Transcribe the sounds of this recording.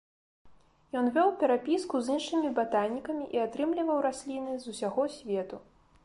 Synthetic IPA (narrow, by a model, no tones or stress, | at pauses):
jɔnvʲɔwpʲɛɾapʲiskuzinʂɨmʲibat̪anʲːikɐmʲiʔiat̪ɾɨmlʲivɐwɾasʲlʲinɨzusʲaɣɔsʲvʲɛt̪u